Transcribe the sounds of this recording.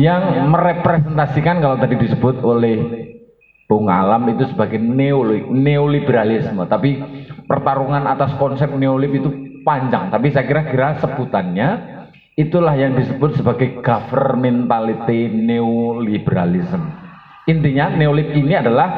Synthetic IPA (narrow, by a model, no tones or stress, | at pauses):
jaŋməɾepɾesɛnt̪asikankalat̪adidisəbʊt̪̚olɛh | puŋa̰lamit̪usəbaɡajneolɪp̚neolibeɾalɪsmət̪apipərt̪aɾuŋanat̪askɔnsɛp̚neolɪpit̪upaɲd͡ʒaŋt̪apisajkiɾakiɾasəbut̪anɲa | it̪ulahjaŋdisəbʊt̪̚səbaɡajɡ̥afərmɛnt̪alit̪ineolibeɾa̰lisəm | int̪iɲaneolɪp̚iniadalah